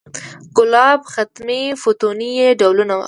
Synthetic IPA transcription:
ɡʊlɑbxat̪mefot̪onijeɖawlunaw̰

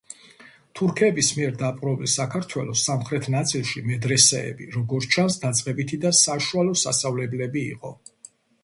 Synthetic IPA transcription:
t̪ʰuɾkʰɛbismiɛɾd̪apʼɾɔvisakʰaɾt̪ʰwɛlˠɔsamχɾɛt̪ʰnat̪sʼilˠʃimɛd̪ɾɛsɛɛ̰bḭɾɔɡɔɾt͡ʃʰansd̪at̪sʼqʼɛbit̪ʰid̪asaʃualɔsast̪avlɛblɛbḭːqʼɔ

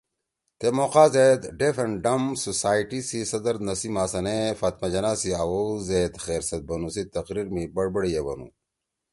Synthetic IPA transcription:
t̪emoːqaːzed̪ɖefɐɳɖɐmsosaːiʈisisɐd̪ɐɾd̪nɐsimaːsɐnefaːt̪mɐd͡ʑɐnaːsiawozeːt̪xeːɾsɐt̪̚bɐnusit̪ɐqɾiɾmibɐɽbɐɽijebɐ̰nṵ

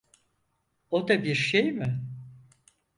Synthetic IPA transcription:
od̪abiɾʃejmɪ

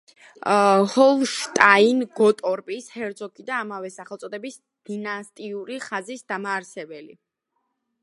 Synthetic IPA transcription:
hɔlˠʃt̪ʼainɡɔt̪ʼɔɾpʼishɛɾzɔkʰid̪aːmavɛsaχɛlˠt̪sʼɔd̪ɛbis | d̪̥inast̪ʼiuɾiχazisd̪amaːɾsɛbɛlḭ

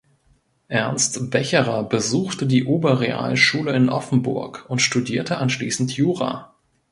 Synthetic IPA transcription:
ʔɛɐnstb̥ɛçəʁɐbəzuːxtədiːʔoːbɐʁea̰ːlʃuːləɪnʔɔfn̩bʊɐkʊntʃtudiːɐtʰəʔanʃliːsn̩tʰjuːʁa̰ː

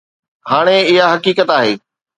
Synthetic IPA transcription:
haːɽ̃eɪɦaɦɐkiːkət̪aːɦeː

